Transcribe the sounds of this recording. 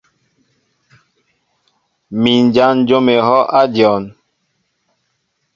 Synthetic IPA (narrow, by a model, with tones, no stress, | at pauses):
mi˨n˨d͡ʒa˦n˦d͡ʒo˦me˨hɔ˦ʔa˦djɔ˨n